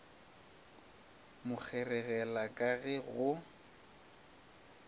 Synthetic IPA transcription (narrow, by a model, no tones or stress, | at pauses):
mʊk͡xʰɛrɛɣɛlakʼaɣɛɣʊ